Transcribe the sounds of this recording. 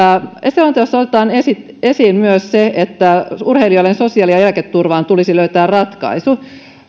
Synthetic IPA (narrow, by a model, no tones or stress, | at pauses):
eselont̪ɑjosːot̪et̪ɑːnesit̪ | esiːnmyøsseet̪ːæurheilioilensosiɑˑliɑjælket̪ːurʋɑːnt̪ulisiløyt̪æːrrɑt̪kɑ̰isu